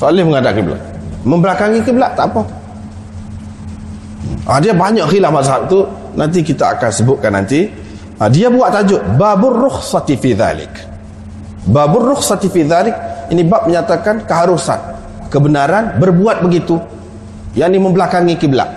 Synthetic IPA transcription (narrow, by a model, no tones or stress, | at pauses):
soalɪhməŋadaʔkəbəla̰ʔməmbəlakaŋikəbəlaʔt̪aʔpa | a̰diabaɲaʔxilahmazɦap̚t̪u | nant̪̬ikit̪aa̰kansəbʊt̪̚kanːa̰nt̪i | adiabuaʔt̪ad͡ʒʊʔbabʊrʊxsɑt̪ifiða̰lɪ̰k | babʊrʊxsɑt̪ifiðalɪk̚inibap̚məɲat̪akankəɦaɾusa̰n | kəbənaɾanbərbuat̪̚bəɡit̪u | jaʔniməmbəlakaŋikəbəla̰ʔ